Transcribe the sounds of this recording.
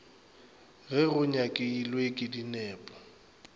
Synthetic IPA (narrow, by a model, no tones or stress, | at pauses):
ɣɛɣʊɲakʼɪilwekʼɪdinɛːpʼɔ̥